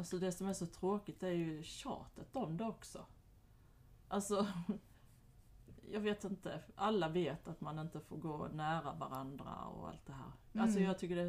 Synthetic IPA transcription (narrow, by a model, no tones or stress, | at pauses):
alsɔd̪ɛsɔmæɾʂɔt̪ʰɾoːkɪt̪æɾjɵɕɑ̰ːt̪ət̪ɔmd̪ɛɔksɔ | ʔalsɔ | jɑːɡveːt̪ɪnt̪əʔalːaveːt̪at̪manɪnt̪əfoːɾɡoːnæːɾavaɾand̪ɾa̰ɔ̰a̰lt̪̚d̪ɛɦæ̰ːɾalsɔjɑːɡ̚t̪ʰʏkːəɖɛ